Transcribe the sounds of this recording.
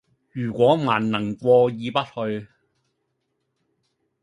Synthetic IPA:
jyː˨˩kʷɔː˨˥maː˨˩nnɐ˨˩ŋkʷɔː˧jiː˨˧pɐ˥t̚hɵ˧ɥ

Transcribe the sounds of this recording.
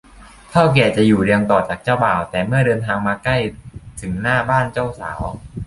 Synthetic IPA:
t̪ʰaː˥˩wk̬ɛː˨˩t͡ɕa˨˩juː˨˩ɾi˧əŋt̪ɔː˨˩t͡ɕaː˨˩k̚t͡ɕaː˥˩wbaː˨˩wt̪ɛː˨˩mɯ˥˩ɐdɤː˧nt̪ʰaː˧ŋmaː˧ka˥˩jt̪ʰɯ˩˦ŋnaː˥˩baː˥˩nt͡ɕa˥˩wsa̰ː˩˦w

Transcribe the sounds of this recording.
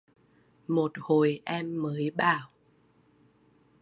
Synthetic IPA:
mo˨˩t̚ho˨˩jʔɛ˧mːəː˨˦jɓaː˧˩˨w

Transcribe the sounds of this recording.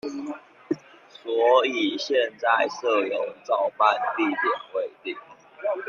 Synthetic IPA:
swɔ˨˧˥i˨˩ɕjɛ˥˧nt͡sa˥˨ɪʂɤ˥˩jo˨˦ŋt͡sɑ˥˨ʊpa˥˧npi˥˨˩t̪jɛ˨˩nwe˨˦ɪt̪i˥˨˩ŋ

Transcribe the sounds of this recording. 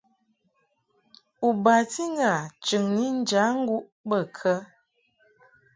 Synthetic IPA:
u˨ba˨ti˦ŋ˦ɡa˨t͡ʃɨ˨ŋni˦n̩˦d͡ʒa˨˦ŋ̩˦ɡu˦ʔ | bə˦˨kʰə˦

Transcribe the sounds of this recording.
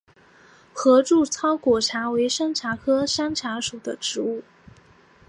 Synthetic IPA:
xɤ˧˥ʈ͡ʂu˥˩t͡sʰɑ˥ʊkwɔ˨˩ʈ͡ʂʰa˧˥we˧˥ɪʂa˥nʈ͡ʂʰa˧˥kʰɤ˥ʂa˥nʈ͡ʂʰa˧˥ʂu˨˩d̪ə˦ʈ͡ʂɻ̩˧˥u˥˩

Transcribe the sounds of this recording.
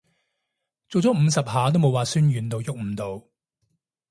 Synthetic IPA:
t͡so˨wt͡sɔː˨˥m̩˨˧sɐ˨p̚haː˨˥t̪o˥wmo˨˧waː˨syː˥njyː˨nt̪o˧wjʊ˥˨k̚m̩ː˨˧t̪o˨˧w

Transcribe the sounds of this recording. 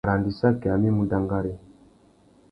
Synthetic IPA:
ɾa˨ndi˨sa˦ke˨a˨mi˦mu˨da˨ŋɡa˦ɾi˦

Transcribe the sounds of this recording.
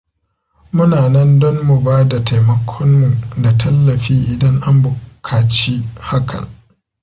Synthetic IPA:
mʊ˦naː˨nɐ˦ndɔ˦mːu˨baː˦da˨ta˨jmɐ˨kʷʰɔ˦mmu˨da˨tʰɐ˦lːɐ˨ɸiː˦ʔɪ˨dɐ˦ŋʔa˦mbʊ˨kʰaː˨t͡ʃiː˦ha˦kʰɐ̰˨ŋ

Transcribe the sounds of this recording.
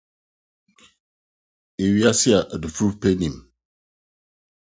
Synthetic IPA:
e˨wi˨a˦si˦a˨ʔdu˨fu˦pe˦ni˨m

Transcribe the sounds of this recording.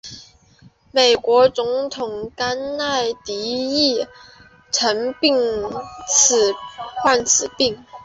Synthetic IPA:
me˨˩ɪkwɔ˧˥t͡sʊ˧˥ŋt̪ʰʊ˨˩ŋka˥na˥˩ɪt̪i˧˥i˥˩ | ʈ͡ʂʰə˧˥ŋpi˥˩ŋt͡sʰɹ̩˨˩xwa˥˩nt͡sʰɹ̩˨˩pi˥˩ŋ

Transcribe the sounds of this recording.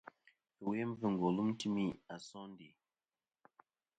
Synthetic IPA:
we˦ɱ˦vɨ˨ŋ˨ɡo˨lu˦m˦ti˦mi˦a˨sɔ˦n˦di˨

